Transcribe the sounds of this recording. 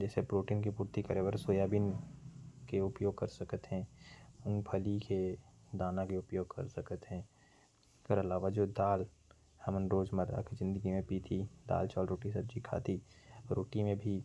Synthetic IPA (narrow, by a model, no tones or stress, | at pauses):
d͡ʒɛːsepɾoːʈiːnkipuːɾt̪ikəɾebəɾsoːjaːbɪn | keʊpjoːɡ̚kɐɾsɐkət̪ɦɛ̃ʊŋpʰəlike | d̪aːnãkeʊpjoːɡ̚kɐ̰ɾsəkət̪ɦɛ̃ | kəɾɐlaːʋad͡ʒoːd̪aːl | hɐmənɾoːd͡ʒməɾa̰kʰzɪ̃nd̪əɡimẽpit̪ʰid̪a̰ːlt͡ʃaːlɾoːʈisɐb̚d͡ʒikʰa̰ːt̪iɾoːʈimẽbʱi